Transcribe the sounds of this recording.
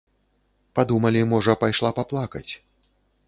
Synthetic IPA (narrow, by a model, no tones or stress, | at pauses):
pad̪umɐlʲimɔʐɐpajʂlˠapaplˠakɐ̰t͡sʲ